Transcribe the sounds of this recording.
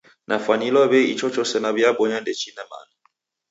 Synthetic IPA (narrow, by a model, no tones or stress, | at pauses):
nʔafanilwɔβɛit͡ʃʰɔt͡ʃɔsɛnabjabɔɲandɛt͡ʃʰinɛma̰nɔ